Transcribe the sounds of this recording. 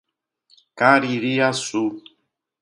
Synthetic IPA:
kaɾiɾiasu

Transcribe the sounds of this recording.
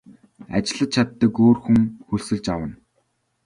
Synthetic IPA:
a̰t͡ɕɪ̆ɮə̆t̪̚t͡ɕʰat̪ːəːkoːrxuŋxuɮsɵ̆ɮt͡ɕawə̆n

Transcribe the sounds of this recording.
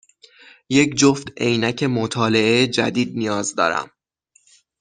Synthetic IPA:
je̞cd͡ʒoft̪ejnæcʰe̞mot̪ʰɒːle̞ʔejed͡ʒæ̰d̪iːd̪̚nijɒːzd̪ɒ̰ːɾæ̰m

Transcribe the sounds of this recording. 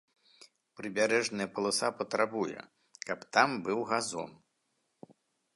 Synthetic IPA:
pɾɨbʲaɾɛʐnɐjɐpɐlˠɨsapɐt̪ɾabujɛ̰ | kɐpt̪ambɨwɣazɔ̰n

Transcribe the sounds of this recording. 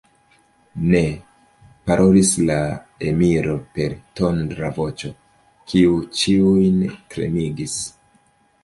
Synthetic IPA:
ne̞ | paɾʔo̞lislaemiɾo̞pe̞ɾto̞ndɾavo̞t͡ʃo̞ | kʰiut͡ʃiujntɾe̞̰miɡis

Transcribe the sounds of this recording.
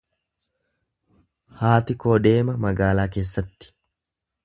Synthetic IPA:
haːt̪ɪko̞ːd̪e̞ːmɐmɐɡaːlaːke̞ːsːɐt̪ːɪ̥

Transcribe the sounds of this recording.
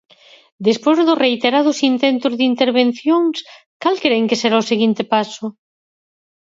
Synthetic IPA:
d̪espozðʊrejt̪eɾað̞ʊsint̪ent̪ʊzðint̪eɾβen̟θjoŋs | kalkeɾeŋkeseɾaoseɣ̞int̪epasʊ

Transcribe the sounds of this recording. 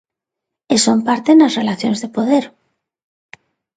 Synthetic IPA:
esompaɾt̪enasrelaθjonzðepoð̞eɾ

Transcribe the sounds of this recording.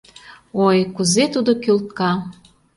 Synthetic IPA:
ojkuzet̪ud̪okølt̪̚kɑ

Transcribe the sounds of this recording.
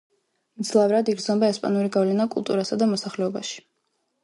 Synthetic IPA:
md̪zlˠavɾad̪iɡɾd̪zɔmbaɛspʼa̰nuɾiɡavlɛnakʼṵlˠt̪ʼuɾasad̪amɔsaχlɛɔbaʃi̥

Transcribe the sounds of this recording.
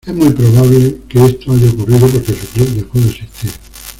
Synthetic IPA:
ezmujpɾoβ̞aβilkeest̪oaʝaokuriðop̬o̞ɾkesuklepd̪epweðoesit̪iɾ

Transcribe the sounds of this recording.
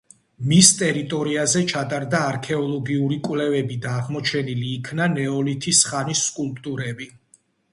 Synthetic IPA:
mist̪ʼɛɾit̪ʼɔɾiazɛt͡ʃʰat̪ʼaɾd̪aːɾkʰɛɔlˠɔɡiuɾikʼwlɛvɛbid̪aːʁmɔt͡ʃʰɛniliːkʰnanɛɔlit̪ʰisχanisːkʼulˠpʼt̪ʼuɾɛbi

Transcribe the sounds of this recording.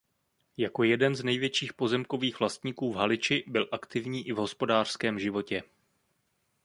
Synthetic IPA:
jako̞jɛdɛnznɛjvjɛt͡ʃiːxpo̞zɛmko̞viːxv̥last̪ɲiːkuːvɦalɪt͡ʃɪbɪlʔakt̪ɪvɲiːʔɪvɦo̞spo̞daːr̥skɛːmʒɪvo̞cɛ

